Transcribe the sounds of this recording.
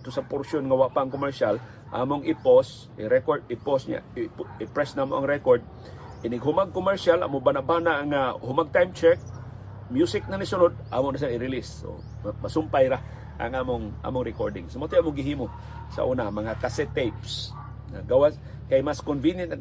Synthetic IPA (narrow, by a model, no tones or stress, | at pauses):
t̪ʊsɐpoɾsjonŋɐwaʔpaʔɐŋkomɛɹʃal | ʔa̰ːmoŋɪpos | ɪɾɛkod̪ɪposɲa̰ɪɪpɾɛsnamoʔɐŋɾɛkoɹd̪̚ | ʔɪnɪɡɦʊmaɡ̚kʊmɛɹʃalʔa̰ːmobanaʔbaːnaʔŋahʊmaɡ̚t̪ajmt͡ʃɛk̚ | mjusɪk̚nɐŋnɪsʊnod̪̚ʔaːmonaʃ̬aŋɪɾɪliso̰ | mɐsʊmpajɾa | ʔɐ̰ŋʔaːmoŋʔa̰ːmoŋɾɛkoɹd̪ɪ̰ŋsomat̪ojaːmoŋɡɪɦiːmo | sɐ̰ʔuːnamɐŋakasɛt̪ejps | ŋaɡawas | kajmaskonvinjɐnt̪ɐ